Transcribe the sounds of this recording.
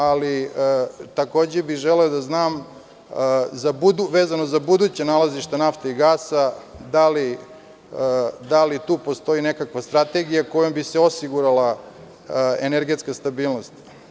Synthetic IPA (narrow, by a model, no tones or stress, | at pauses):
ali | t̪ako̞ːd͡ʑebiʒeleod̪aznaːm | zabud̪uʋe̞ːzano̞zabud̪uːt͡ɕenalaziʃt̪anaft̪eiɡaːsad̪ali | d̪alit̪uːpo̞st̪o̞ine̞kakʋast̪ɾat̪e̞ɡijako̞jombiseo̞siɡuɾala | eneɾɡe̞t̪skast̪abiːlˠno̞st̪